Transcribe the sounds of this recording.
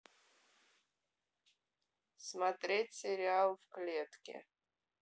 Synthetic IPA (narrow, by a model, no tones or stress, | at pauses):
smat̪ʼrʲetʲseɾʲialvkʼlʲetʰkʲḛ